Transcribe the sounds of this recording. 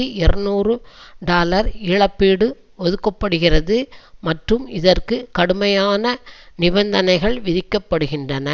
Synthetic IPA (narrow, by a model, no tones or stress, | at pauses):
iɛɾɐnuːrɯɖaːlɐɾɪɻɐpːeːɽɯ | ɔðɯkːɐpːɐɽɯɣɪrɐðɯmɐʈrɯmɪðɐrkɯkɐɽɯmɐjaːnɐnɪbɐnd̪ɐnɐɪɣɐɭʋɪðɪkːɐpːɐɽɯɣɪndrɐnɐ